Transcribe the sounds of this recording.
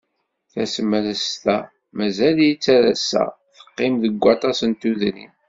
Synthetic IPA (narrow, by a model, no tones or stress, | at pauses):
θæsəmːələst̪æ | mæzæljit͡sːæɾæsæ̰ | θə̥qːɪmðəɡʷːɑt̪ˤɑsənt̪uðnḭm